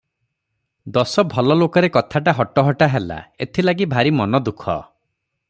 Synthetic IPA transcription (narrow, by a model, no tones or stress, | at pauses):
d̪ɔsɔbʱɔlɔlokɔɾekɔt̪ʰaʈaɦɔʈɔɦɔʈaɦela̰et̪ʰilaɡibʱaɾimɔnɔd̪ukʰɔ̰